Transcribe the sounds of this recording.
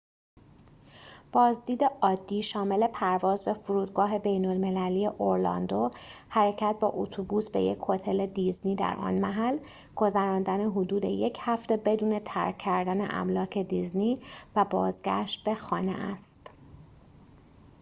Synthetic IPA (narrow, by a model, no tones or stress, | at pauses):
b̥ɒːzd̪iːd̪e̞ɒːd̪ːiːʃɒːme̞le̞pʰæɾvɒːzbe̞fuɾuːd̪ɡɒːɦe̞be̞jno̞lme̞læliːe̞ʔoɾlɒ̰nd̪ohæɾe̞cʰæt̪̚bɒ̰ːʔot̪ʰubuːsbe̞̰jecʰho̞t̪ʰe̞le̞d̪izniːd̪æ̰ɾʔɒ̰nmæɦæl | ɡ̥o̞zæɾɒːnd̪æneɦod̪uːd̪e̞̰je̞cʰhæft̪e̞be̞d̪uːne̞t̪ʰæɾkʰːæɾd̪æne̞̰ʔæ̰mlɒːcʰe̞d̪izniːvæbɒːzɡæ̰ʃt̪̚be̞xɒːnḛʔæ̰st̪